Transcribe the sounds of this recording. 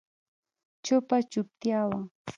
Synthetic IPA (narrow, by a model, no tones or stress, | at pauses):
t͡ʃʊpat͡ʃʊp̚t̪jawaŋ